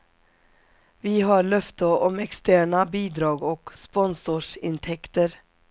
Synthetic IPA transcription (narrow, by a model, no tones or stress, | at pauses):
viɦɑɭœft̪əʔɔmɛkst̪æːɳabiːd̪ɾɑːɡɔkspɔnsʊʂɪ̰nt̪ʰɛkt̪əɾ